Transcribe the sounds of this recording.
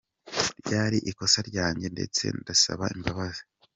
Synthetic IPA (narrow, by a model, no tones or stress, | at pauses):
ɾɟaːɾiʔiko̞saɾɟaːɲɟe̞nde̞̰t͡se̞̰ndasa̰βaimbaβazi